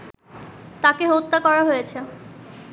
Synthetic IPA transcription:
t̪akeɦot̪ːakɔɾaɦojet͡ɕʰe

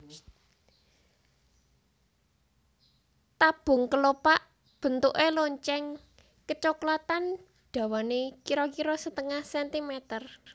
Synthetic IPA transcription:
t̪ab̥ʊ̤ŋkəlopaʔ | b̥ə̤nt̪uʔeloɲt͡ʃɛŋ | kət͡ʃoklat̪an | ɖ̥ä̤wanekiɾɔkiɾɔsət̪əŋahsɛnt̪imɛt̪ər

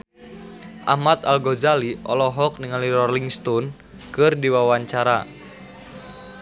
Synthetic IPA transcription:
ʔa̰mat̪alɡɔzaliʔɔ̰lɔɦɔk̚niŋaliɾɔrliŋst̪ɔn | kɨrdiwawaɲt͡ʃaɾa̰

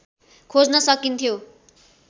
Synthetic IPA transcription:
kʰod͡znʌsʌkint̪ʰjo

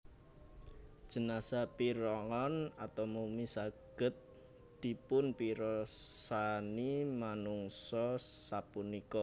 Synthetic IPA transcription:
d̥ʒ̥ənasapiɾɔŋɔnat̪ɔmumisaɡ̥ə̤t̪̚ | d̪̥ipʊnpiɾɔsanimanuŋsɔsapunikɔ

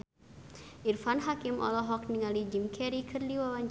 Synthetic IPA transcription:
ʔirfanɦakimʔɔ̰lɔɦɔk̚niŋalid͡ʒimkʰɛɾikʰɨrdiwawaɲ

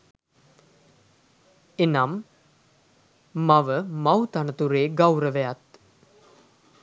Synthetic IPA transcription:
enam | aʋəmawt̪anət̪uɾeːɡawɾəʋɛjat̪

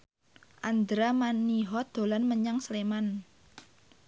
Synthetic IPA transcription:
ʔand̪ɾamaniɦɔd̪̥o̤lanməɲaŋsleman

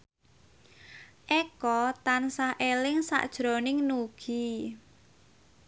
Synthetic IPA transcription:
ʔɛkɔt̪ansahʔelɪŋsa̰ʔd̥ʒ̥ɾonɪŋnuɡ̥i

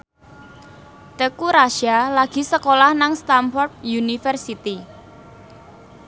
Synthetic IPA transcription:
t̪əkuɾaʃalaɡ̥i̤səkolahnaŋst̪amfɔrp̚junifərsit̪i

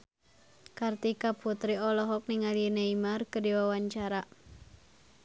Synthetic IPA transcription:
kart̪ikaput̪ɾiɔlɔɦɔk̚niŋaljənaimarkədiwawaɲt͡ʃaɾa

